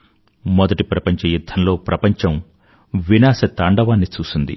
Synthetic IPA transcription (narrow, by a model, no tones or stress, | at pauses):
mɔd̪ɐʈipɾɐpɐɲt͡ʃɐjud̪ʱːɐnlo̞ːpɾɐpɐɲt͡ʃɐm | ʋinaːsɐt̪ɐɳɖɐʋaːnːit͡ʃuːsund̪ḭ